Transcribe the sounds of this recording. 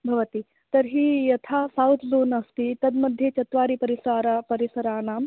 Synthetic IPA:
bʱɐʋɐt̪i | t̪ɐɾɦiːjɐt̪ʰaːsawt̪ʰzoːnɐst̪it̪ɐd̪mɐd̪ʱjeːt͡ʃɐt̪ʋaːɾipɐɾisaːɾapɐɾisɐɾaːnaːm

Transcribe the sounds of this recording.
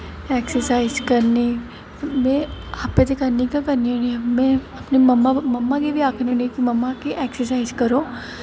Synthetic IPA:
ɛːksəɾsaːɪzkɐɾni | mẽapːet̪ekɐɾnikakɐɾnionimẽɐpnimɐmːamɐmːakebʱiaːkʰniunikimɐmːakeʔɛːksəɾsaːɪzkɐɾo

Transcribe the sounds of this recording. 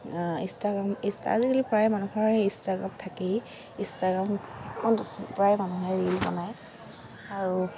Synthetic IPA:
ḭstaɡɹamista̰zikilipɹajmanukʰaɹɛistaɡɹa̰mt̪ʰaki | ĩstaɡɹamɛkʰɔnpɹajmanuɦɛɹilpa̰naj | aɹu

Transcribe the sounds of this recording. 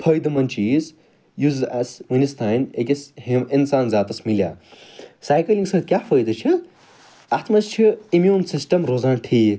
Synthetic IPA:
pʰɐjd̪ɨmɐnt͡ʃiːz | juːzdasmɐnist̪ʰanekisinsaːnzaːt̪ɐsmilja̰ːsajkɐliŋɡsɐt̪̚kʲapʰəjd̪ɨt͡ʃʰi | at̪mɐst͡ʃʰiimjuːnsisʈɐmɾoːzaːnʈʰiː

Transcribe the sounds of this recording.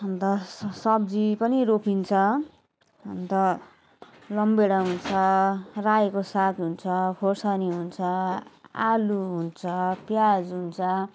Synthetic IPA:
ʌnt̪ʌsʌb̚d͡zipʌniropʰint͡sʰʌ | ʌnt̪ʌ | lʌmbeɽaɦunt͡sʰʌrajekosak̪ɦunt͡sʰʌpʰorsʌniɦunt͡sʰʌaluɦunt͡sʰʌpjad͡zɦunt͡sʰʌ

